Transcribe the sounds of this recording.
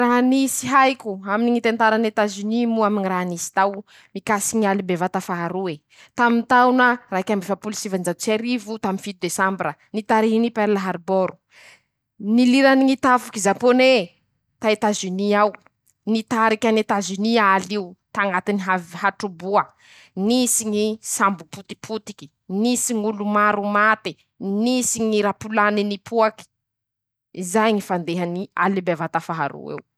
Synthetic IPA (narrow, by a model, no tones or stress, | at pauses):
ɾaɦnisiɦajkʲuaminiŋit̪ent̪aɾanet̪azynimuaminiraɦnisi̥t̪aw | mikasiɲalibevat̪afaɦaɾue | t̪amint̪awnəɾaikʲamefapulisivand͡ʒaut͡seɾivut̪aminfit̪ud̪esambɾənit̪aɾinipɛɾlaɦaɾboɾu̥ | niliɾaniŋit̪afukizapone | t̪ait̪azyniaw | nit̪aɾikʲanit̪azyniaaliut̪aŋat̪iniɦaɦaʈ͡ʂubuə | nisiŋisambuput̪i̥pʰut̪i̥ki̥ | nisiŋulumaɾumat̪i | nisiŋiɾapulaninipʰuaki̥ | izajŋifand̪eɦanialibevat̪afaɦa̰ɾṵḛw